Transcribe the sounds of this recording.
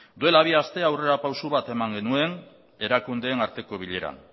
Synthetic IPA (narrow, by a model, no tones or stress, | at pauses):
d̪ue̞laβiast̪e̞awre̞ɾapawsuβat̪e̞maŋɡe̞nue̞n | e̞ɾakund̪e̞ːnaɾt̪e̞ko̞β̞iʎe̞ɾa̰n